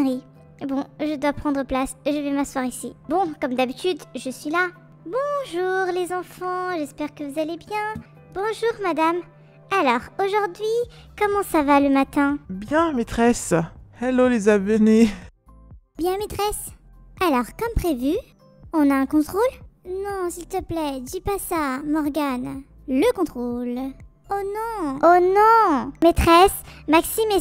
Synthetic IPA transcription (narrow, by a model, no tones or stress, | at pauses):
ʁi | bɔ̃ʒəd̪wapχɑ̃d̪ʁəplasʒəvɛmaswaʁisḭbɔ̃kɔmd̪abit̪yd̪ʒəsɥila | bɔ̃ʒuʁlezɑ̃fɑ̃ʒɛspɛʁkəvuzalebjɛ̃ | bɔ̃ʒuʁmad̪am | alɔʁoʒuʁd̪ɥi | kɔmɑ̃savaləmat̪ɛ̃bjɛ̃met̪χɛsalolezabəne | bjɛ̃met̪χɛs | alɔʁkɔmpχevy | ɔ̃naɛ̃kɔ̃t̪χolnɔ̃silt̪əplɛd̪ipasamɔʁɡan | ləkɔ̃t̪χol | onɔ̃onɔ̃met̪χɛsmaksime